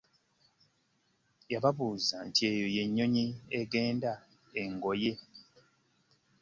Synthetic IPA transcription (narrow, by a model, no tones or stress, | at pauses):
jaβaβuːzante̞joje̞ɲːo̞ɲieɡe̞ːnda | eŋɡo̞je